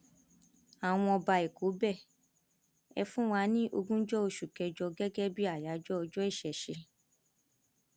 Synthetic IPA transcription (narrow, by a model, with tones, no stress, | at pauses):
a˨w̃ɔ̃˧ɔ˧ba˧e˨ko˨˦bɛ˦˨ | ɛ̰˧fũ˦wa˧˦nĩ˦ʔo˧ɡũ˦d͡ʒɔ˦o˧ʃu˨kɛ˨˧d͡ʒɔ˧ɡɛ˦ɡɛ˦bi˦a˦˨ja˨˦d͡ʒɔ˦ɔ˧d͡ʒɔ˦i˦˨ʃɛ˨ʃe˧